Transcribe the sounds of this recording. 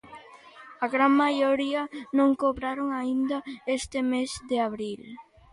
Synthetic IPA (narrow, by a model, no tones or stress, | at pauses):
aɣɾaŋmajoɾiɐnõŋkoβɾaɾoŋaind̪ɐest̪ɪmesd̪eaβɾil